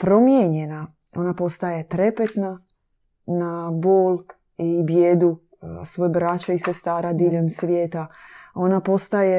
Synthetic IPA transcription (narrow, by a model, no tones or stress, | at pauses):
pɾo̞mjeɲena | o̞napo̞st̪ajet̪ɾe̞pet̪na | naboːl | ibjeːd̪u | sʋojbɾat͡ɕaisest̪aːɾad̪iːʎemsʋjeːt̪ao̞napo̞st̪aje